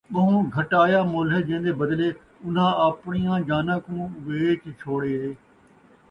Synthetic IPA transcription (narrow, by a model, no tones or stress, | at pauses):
ɓəɦũːɡʱəʈaːjaːmoːlɦeːd͡ʒẽːnd̪eːbəd̪leː | ʊn̤ãːəːpɳijãːd͡ʒaːnãːkũːʋeːkiːt͡ʃʰoːɽeːɦeː